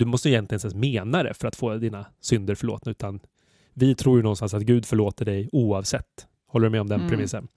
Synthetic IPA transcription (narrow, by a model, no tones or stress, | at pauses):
d̪ɵmɔst̪əɪʏjɛnt̪lɪɡənsɛːsmeːnaɾə̰fœɾat̪foːd̪iːnasʏnd̪əɾfœɭoːt̪naʉːt̪an | vɪt̪ʰɾuːjɵnɔnst̪ans̬at̪ɡʉ̟ːd̪fœɭoːt̪əɖɛjuːɑvsɛt̪ː | hɔlːəɖɵmɛɔmd̪ɛnpʰɾɛmɪsːən